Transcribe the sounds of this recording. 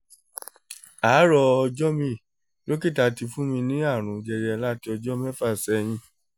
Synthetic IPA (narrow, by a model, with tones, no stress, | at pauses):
a˨˦ɾɔ˧ɔ˧d͡ʒɔ˦mĩ˧ | jo˦ki˦˨ta˧ti˧fũ˦mĩ˧nĩ˦a˦˨ɾ̃ũ˨d͡ʒɛ˧ɾɛ˧ɛ˧la˦ti˧˦ɔ˧d͡ʒɔ˦mɛ˦fa˦˨sɛ˨˦˧j̃ĩ˧˦